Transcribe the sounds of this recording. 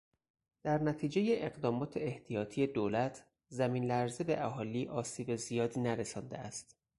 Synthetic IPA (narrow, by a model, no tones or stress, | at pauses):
d̪̥æɾnæt̪ʰiːd͡ʒe̞jeʔeɣd̪ɒːmɒːt̪ʰe̞eht̪ʰijɒːt̪ʰije̞d̪oːlæt̪ʰ | zæmiːnlæɾzebeʔæɦɒːliːʔɒːsiːbe̞zijɒːd̪iːnæɾesɒːnd̪eæst̪